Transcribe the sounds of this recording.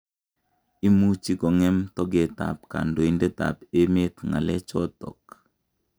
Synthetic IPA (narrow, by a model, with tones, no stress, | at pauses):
i˦mu˦t͡ʃi˦kɔ˨ŋɛ˦mtɔ˦ɡe˨ta̰˨p̚ka̰˨ndo˨i˨nde˦ta̰˨pe˦me˦t̪ŋa̰˨lɛ˦t͡ʃɔ˦tɔ̰˨k̚